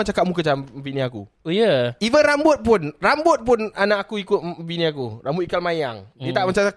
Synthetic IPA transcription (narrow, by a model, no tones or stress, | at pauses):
at͡ʃakaʔmuk̬ət͡ʃamviniakṵ | ujəivərambʊt̪̚pʊnrambʊt̪̚pʊnanaʔakuikʊt̪̚finiakurambʊt̪̚ikalmaja̰ŋit̪aʔmat͡ʃaa